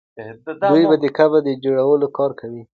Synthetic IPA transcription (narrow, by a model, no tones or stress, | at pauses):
d̪ujbad̪əkabad̪əd͡ʒoɽawəlokɑɾkawi